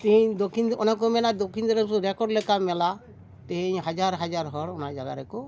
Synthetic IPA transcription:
t̪iɲd̪okʰinɔnak̬omɛlad̪okʰind̪ɔɾeɾɛkɔɖlɛkamɛla | t̪eɦɲɦad͡ʒaɾɦad͡ʒaɾɦɔɾɔnad͡ʒaɡa̰ɾɛko

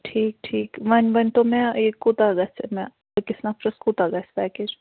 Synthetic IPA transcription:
ʈʰiːk̚ʈʰiːkmɐnbɐnʲt̪omɛ̃ekut̪aɡɐsemɛ̃ | kɪsnapʰɾɐskuːt̪aɡɐsbɛːkɪɾ

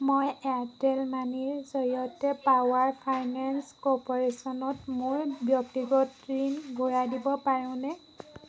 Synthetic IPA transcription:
mojɛtɛlmaniɹzɔɹiɔtɛpawaɹpʰajnanskɔpɔɹesɔnɔtmʊɹbjɔk̚tiɡɔtɹinɡuɹadibɔpaɹʊ̃nɛ

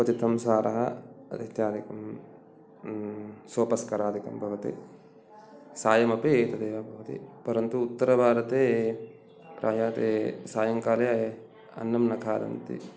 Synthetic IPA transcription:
kɐt͡ʃit̪ʰɐmsaːɾɐɦɐd̪ɐt̪jaːd̪ikɐm | soːpɐskɐɾaːd̪ʱikɐmbʱɐʋɐt̪ḭ | saːjɐmɐpeeːt̪ɐd̪eːʋɐbʱɐʋɐt̪ḭpɐɾɐnt̪uːt̪ːɐɾɐbʱaːɾɐt̪eː | pɾaːjaːt̪eːsaːjɐŋkaːlɐ | ɐ̰nːɐmnɐkʰaːd̪ɐ̰nt̪ḭ

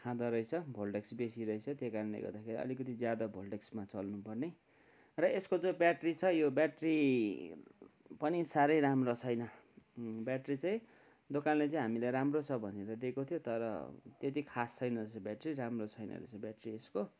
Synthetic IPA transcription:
kʰãd̪ʌɾʌit͡sʰʌbʱolɖeksbesiɾʌit͡sʰʌt̪jekaɾʌnlḛɡʌ̰rd̪akʰeɾiʌ̰likʌt̪id͡zjad̪ʌbʱolɖeksmat͡sʌlnupʌrne | rʌeskod͡zobjaʈrit͡sʰʌjobjaʈri | pʌnisaɾʌjɾamrot͡sʰʌjnʌ | bjaʈrit͡sãĩ | d̪okanlet͡saĩɦamilajɾamrot͡sʰʌbʱʌneɾʌd̪ekot̪ʰijot̪ʌɾʌ̰t̪jet̪̬ikʰast͡sʰʌjnʌt͡sʰʌbjaʈriɾamrot͡sʰʌjnʌ̰lḛt͡sʌbjaʈriesko

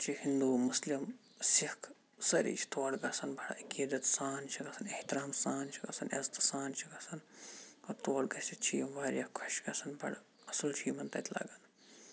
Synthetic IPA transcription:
t͡ʃʰihind̪uːmuslim | sihkʰ | sɐɾḭːt͡ʃʰi̥t̪oːɽɡɐsɐnbʱɐɽ̰ikid̪ɐt̪saːnt͡ʃʰiɡɐsɐneht̪iɾaːmsaːnt͡ʃʰiɡɐ̰sɐnḛzt̪saːnt͡ʃʰiɡɐsɐnkoɾt̪oːɽɡɐsit͡ʃʰijɐmʋaːɾjɐkkʰɐʃɡɐsɐnbʱɐɽ | ɐsɐlt͡ʃʰiːmɐnt̪ɐ̰t̪ʲʰla̰ɡɐn

